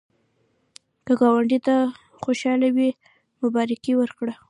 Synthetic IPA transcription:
kəɡɑwaɳɖit̪a | xoʃɑlawi | mʊbɑɾɪkiwəɾkɽa

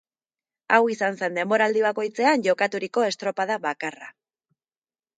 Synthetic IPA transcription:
awisanse̞nd̪e̞mbo̞ɾald̪iβako̞jt͡se̞anʝo̞kat̪uɾiko̞e̞st̪ɾo̞paðaβakara

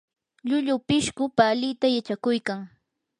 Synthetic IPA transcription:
ʎʊʎʊpɪʃkʊpalɪt̪ajat͡ʃakʊjkaŋ

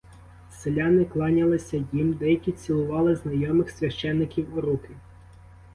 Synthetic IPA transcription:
selʲanɪklˠɑnʲɐlˠɪsʲɐjimd̪ɛjɐkʲit͡sʲilˠʊʋɑlˠɪznɐjɔmɪxsʲʋʲɐʃt͡ʃɛnːɪkʲiwʊɾukɪ

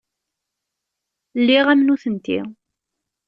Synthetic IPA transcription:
lːiʁæmnuθənt̪ḭ

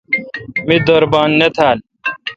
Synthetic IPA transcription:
mid̪oːɾbaːnːɐt̪ʰaːl

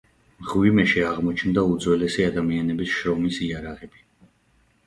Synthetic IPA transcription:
mʁwimɛʃiaʁmɔt͡ʃʰnd̪aud̪zwɛlɛsiad̪amianɛbisʃɾɔmisiaɾaʁɛb̥i

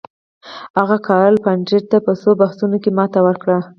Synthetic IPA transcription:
haɣakɑɾəlpand͡ʒɪɾt̪apəsobahsunokemɑt̪awəɾkɽa

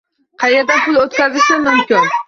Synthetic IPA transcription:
qʰɑjed̪apʰʊlˠot̪kʲazɪʃɪmʊmkʲɪn

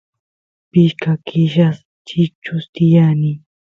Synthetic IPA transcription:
pɪʃkakʰɪʃas | t͡ʃɪt͡ʃʊst̪ɪjani

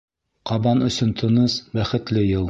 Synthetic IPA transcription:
qɑbɑnɵ̆sɵnt̪ʰŏnɤsbæχɘ̆t̪lɘjɤlˠ

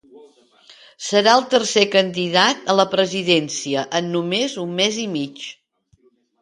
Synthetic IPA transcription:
səɾaəlˠt̪ərsekənd̪ið̞at̪ələpɾəziðensiəʔənːumezumːezimit͡ʃ

